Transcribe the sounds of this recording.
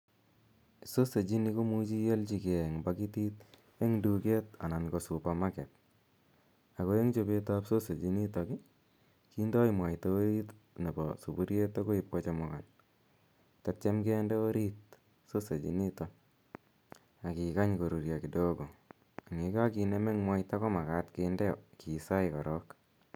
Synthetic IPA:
so˦se˨t͡ʃi˦ni˦ko˦mu˦t͡ʃi˦jɛ˦lt͡ʃi˨ke˨ŋbaki˦ti˦t̪ | e˦ŋduke˦t̪a̰˨na˨nko˨su˨pa˨ma˦kɛ˨t̚ | a˨ko˦je˦ŋt͡ʃo˨be˦ta˦pso˦se˨d͡ʒi˦ni˦ta˨kɪ˦ | ki˦ndɔ˦ɪmwa˨ɪto˦ɾi˦t | ne˨bɔ̰su˨bu˦ɾje˦to˦ko˦i˦p̚kot͡ʃɔ˦mʊ˨ka˨n | tat͡ʃe˦mke˦ndɛ˦o˦ɾi˦t̚ | so˦se˨t͡ʃḭ˨ni˦ta | a˨ki˨ka˦ɲko˨ɾu˨ɾja˨ki˨do˦ɡo˨ | a˨ŋe˨ka˦ki˨ne˦mɛ˦ŋmwa˦ita˦kɔ˦ma˨katkendɛ˦ɔ̰˨ki˨sa˦ikɔ˨ɾɔ˦k

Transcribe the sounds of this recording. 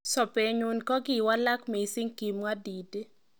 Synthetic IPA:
sɔ˨pe˨ɲu˦nkɔ˦ɡɪ˦˨wa˦la˦kmi˨sɪ˦ŋki˨mwa˦di˨te˦

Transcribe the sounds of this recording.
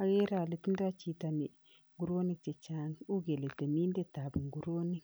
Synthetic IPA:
a˨ɡe˦ɾa˨le˨ti˦ndo˦a˦t͡ʃi˨ta˨ni˨ | ŋɡu˨ɾo˦ni˦k̚t͡ʃe˨t͡ʃa˦nu˦ɡe˨le˨te˨mi˦nde˦ta˨bi˨ŋɡu˨ɾo˦ni˦k

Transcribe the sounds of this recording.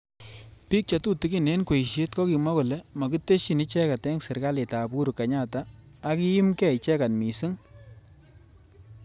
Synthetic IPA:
pi˦k̚t͡ʃa˨tu˦ti˨ki˨ne˦nkwe˨i˨ʃe˦t̚kɔ˦ki˨ma˦kʊ˨lɛ˦mɔ˨ki˦te˦ʃi˨ni˦t͡ʃɛ˦ka˨tɛ˦ŋsɪ˨ɾka˦le˨ta˨pu˦ɾu˨ka˨ɲa˦˨taː˨˦ | ki˦i˦mkɛ˦˨i˨t͡ʃɛ˦ka˨nmi˨su˦ŋ

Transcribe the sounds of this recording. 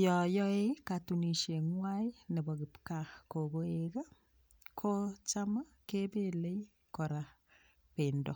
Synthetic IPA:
jɔ˨jɔe˦katuni˨ʃe˨ŋwajne˨bɔ˨kɪ˨pkako˨ko˦eka˦ | kʰo˦t͡ʃama˦ | kepele˦j | kɔɾa | pendo˨

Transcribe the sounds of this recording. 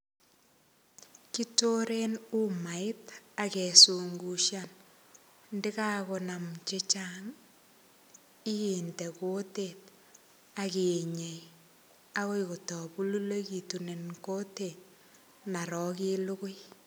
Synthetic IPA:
ki˦to˦ɾe˦nu˦ma˨ɪ˦ta˨kɛ˨su˨ŋɡu˨ʃjan | ndɪ˦kaː˦ko˨na˨mt͡ʃe˦t͡ʃa˦ŋ | ɪ˦jiː˨ntɛ˨ko˦te˨t̚ | a˨ke˨ɲe˨j | a˦ko˦jko˨tɔ˨pu˦lu˦le˦ki˨tu˨ne˨nko˦teː˨t̚ | na˨ɾɔ˨ki˦lʊ˦kʊ˦j

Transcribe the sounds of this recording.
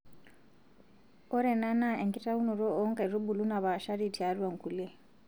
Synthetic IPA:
ɔ˦ɾɛ˨na˦na˦ɛ˨ŋkʼi˦ta˦u˦nu˨ɾɔ˦ɔ˦ŋkɛ˨ɾu˦bu˨lu˦na˨βa˨ʃa˦ɾi˦˨tʰi˨a˨˦ɾu˦a˨ŋ̩˨kʰu˨lɛ˦

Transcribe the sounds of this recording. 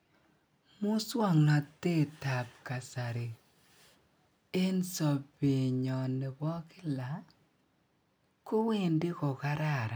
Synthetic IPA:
mʊ˦swɔ˦˨ŋnɔ˨te˦ta˨p̚ka˨sa˨ɾɪ˨ | e˦nsɔ˨pe˨ɲɔ˨ne˨bɔ˦kɪ˦la˨˦ | ko˦wɪ˦˨ndɪ˦kɔ˨ka˦ɾa˦˨ɾa˨

